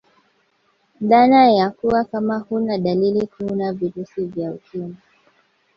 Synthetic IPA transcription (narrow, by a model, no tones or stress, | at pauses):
ðanajakuwakamahunaɗalilikʰunaviɾusivjaukima